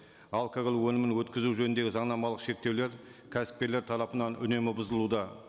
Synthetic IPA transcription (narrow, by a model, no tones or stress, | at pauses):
ɑlˠkoɡlˠwɵnɪmɪnwɵt̪kʲɪzuʒɵnɪnd̪e̞ɡʲɪzɑɴnɑmɑlˠəqʃe̞k̚t̪e̞wle̞ɾkʲʰæsɪ̥p̚kʲele̞ɾt̪ʰɑɾɑpənɑnʏ̰ne̞mɪbʊzəlˠud̪ɑ